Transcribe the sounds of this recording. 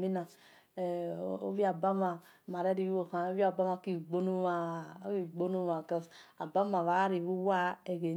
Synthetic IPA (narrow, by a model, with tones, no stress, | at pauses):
mi˦na˨ | o̰˦vi˦a˨ba˦ma˨ | ma˨ɾɛ˦ɾi˦o˨ha˨o˦vi˦a˨ba˦ma˨˦ki˦˨ɡ͡bo˦nu˦wa˨˦i˦˨ɡ͡bo˦nu˦a˨kɛ˦sa˨ba˦mã˨va˨˦ɾi˨βu˦wa˦e˨ɡe˨